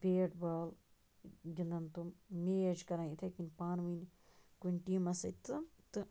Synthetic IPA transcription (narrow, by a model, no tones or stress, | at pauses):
peːʈbaːl | ɡind̪ɐnt̪ummeːɐd͡ʒkɐɾãːit̪ʰekinʲpaːnʋinkunʈiːmɐsɐt̪ɨt̪ɨ